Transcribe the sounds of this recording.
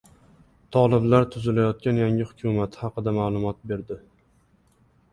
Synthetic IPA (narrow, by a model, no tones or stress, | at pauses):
t̪ʰɒlˠɪblaɾt̪ʰʊzɪlajɒt̪̚kʲanjaŋʲɪhʊkʲʰʊmat̪hɑqɨd̪amaːlˠʊmɒt̪̚be̞ɾd̪ɪ